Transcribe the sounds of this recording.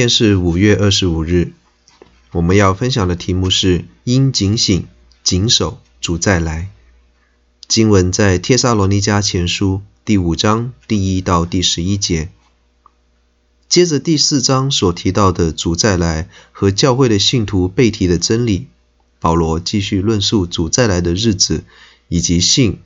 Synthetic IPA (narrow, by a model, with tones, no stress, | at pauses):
ɛ˥˧nʂɻ̩˥˩u˨˩ɥɛ˥˧ʔə˞˥˩ʂɻ̩˧˥u˨˩ɻɻ̩˥˩ | wɔ˨˩mə˧˦njɑ˥˩ʊfə˥nɕjɑ˨˩ŋd̪ə˦t̪ʰi˧˥mu˥˧ʂɻ̩˥˩i˥nt͡ɕi˧˥ŋɕi˨˩ŋ | t͡ɕi˧˥ŋʂo˨˩˦ʊ | t͡su˨˩t͡sa˥˩ɪla˧˥ɪ | t͡ɕi˥nwə˧˥nt͡sa˥˧ɪt̪ʰjɛ˥sa˥lɔ˧˥ni˧˥t͡ɕja˥t͡ɕʰjɛ˧˥nʂu˥t̪i˥˩u˨˩ʈ͡ʂɑ˥ŋt̪i˥˩i˥t̪ɑ˥˧ʊt̪i˥˩ʂɻ̩˧˥i˥t͡ɕjɛ˧˥ | t͡ɕjɛ˥ʈ͡ʂə˨t̪i˥˧sɹ̩˥˩ʈ͡ʂɑ˥ŋswɔ˨˩t̪ʰi˧˥t̪ɑ˥˩ʊd̪ə˩t͡su˨˩t͡sa˥˩ɪla˧˥ɪxɤ˧˥t͡ɕjɑ˥˧ʊxwe˥˩ɪd̪ə˩ɕi˥˩nt̪ʰu˧˥pe˥˩ɪt̪ʰi˧˥ɾə˧ʈ͡ʂə˥nli˨˩ | pɑ˨˩ʊlwɔ˧˥t͡ɕi˥˧ɕy˥˧lwə˥˧nʂu˥˩t͡su˨˩t͡sa˥˩ɪla˧˥ɪd̪ə˧ɻɻ̩˥˩t͡sɹ̩˨˩ | i˨˩t͡ɕi˧˥ɕi˥˩ŋ